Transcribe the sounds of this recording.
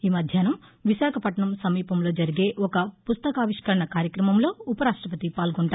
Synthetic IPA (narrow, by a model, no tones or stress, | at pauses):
iːmɐd̪ʱjaːnɐmʋiʃaːkʰɐpɐʈɳɐmsɐmiːpɐmlo̞ːd͡ʒɐɾiɡe̞ːʔɔkɐpust̪ɐkaːʋiʂkɐɾɐɳɐkaːɾjɐkɾɐmɐmlo̞ːupɐɾaːʂʈɾɐpɐt̪ipaːlɡoɳʈaː